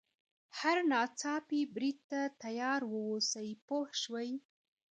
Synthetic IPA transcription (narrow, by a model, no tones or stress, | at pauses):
haɾnɑt͡sɑpibɾid̪̚t̪at̪ajɑɾwəwosəjpohʃwəj